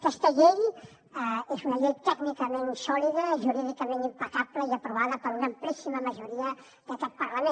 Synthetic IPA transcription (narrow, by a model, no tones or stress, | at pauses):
kəst̪əʎel | ezunɐʎejt̪ɛknikəmẽnsɔliðəʒuɾiðikəmẽnimpɐkapləiɐpɾuβaðəpəɾuɣɐmplisiməməʒuɾiə | d̪əkɛt̪̚pɐɾləmẽ